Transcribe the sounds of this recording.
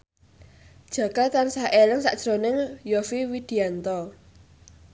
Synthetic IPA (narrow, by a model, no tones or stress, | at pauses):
d̥ʒ̥ä̤kart̪ansahʔelɪŋsa̰ʔd̥ʒ̥ɾonɪŋjɔfiwid̪̥i̤ant̪ɔ